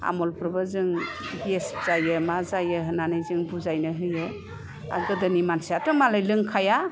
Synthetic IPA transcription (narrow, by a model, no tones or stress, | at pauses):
a̰mɔlpʰɾbɯzɯŋbesz̥ajɯmazajɯɦɯnanɯjzɯŋbuzajnɯɦɯjɯ | a̰ɡɯdɯnimansiatɯmalajlɯŋkʰaja